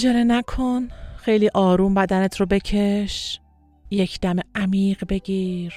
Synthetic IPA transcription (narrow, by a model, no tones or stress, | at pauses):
d͡ʒeɾenækʰonxejliːʔɒːɾuːmbæd̪ænet̪ʰɾobe̞cʰeʃ | jecʰd̪̥æmeʔæmiːɢbe̞ɟiːɾ